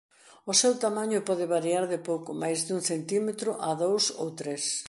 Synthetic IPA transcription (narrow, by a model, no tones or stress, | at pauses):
ʊsewt̪amãɲʊpɔð̞ɪβaɾiaɾðɪpowkʊmajzðuŋθent̪imet̪ɾʊʔaðowso̰wt̪ɾes